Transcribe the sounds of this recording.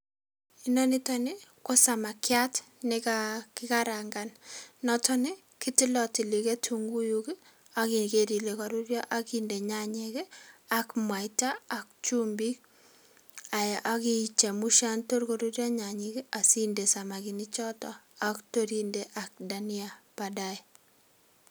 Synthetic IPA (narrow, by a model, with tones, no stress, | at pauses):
i˦nɔ˦ni˦tɔni˦ko˦sa˨ma˨kja˦tnɪ˦kakɪka˦ɾa˨ŋɡa˨nnɔ˦tʰɔ˦nɪ˦ | ki˦ti˦lɔ˨ti˨li˨ke˦tʰuŋɡu˦juki˦ | a˦ki˨nkeɾi˨le˨ka˨ɾu˦ɾjɔ˦ʔa˦kinde˨ɲa˦ɲeke˦akmwa˨itaː˦˨k̚t͡ʃu˦mbi˦k̚ | a˨jʔa˦ki˦t͡ʃe˨mu˦ʃa˦nto˦ɾko˨ɾu˦rja˦ɲa˨ɲike˦a˨si˦nde˨sa˨ma˨ki˨ni˦t͡ʃɔ˦tɔ˦ | akto˦ɾi˦nde˨ʔa˨k̚da˨ni˦a˨pada˦j